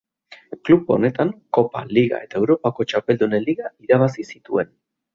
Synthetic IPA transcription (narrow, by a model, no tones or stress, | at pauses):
kluβo̞̰ne̞t̪aŋko̞pa̰liɣa̰e̞t̪aewɾo̞pako̞t͡ʃape̞ld̪uneliɣaiɾaβ̞asisit̪ue̞n